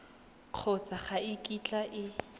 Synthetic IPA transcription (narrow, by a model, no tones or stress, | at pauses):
q͡χʰɔt͡saχaɪkʼit͡ɬʼaʔɪ